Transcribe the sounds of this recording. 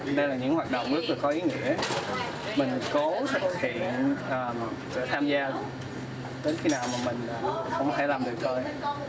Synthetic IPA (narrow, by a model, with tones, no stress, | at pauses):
ɗə˧jlaː˨˩ɲɨ̰˧˥ŋhwaː˨˩t̚ɗo̰˧˨wŋ͡mzɨ˦˥k̚laː˨˩kɔ˨˦ʔi˨˦ŋḭ˧˥ə | mï˨˩ŋ̟ko˨˦sɛ˨˦˥ə˧˩hʰḭ˧˨ənʔəː˨˩m | sə̰ː˧˩t̪ʰaː˧mzaː˧ | ɗe˨˦nxi˧naː˨˩wmaː˨˩mï˨˩ŋ̟əː˨˩xə˧wŋ͡mɔt̪ʰe˧˩laː˨˩mɗɨ˨˩ək̚t̪ʰo˧j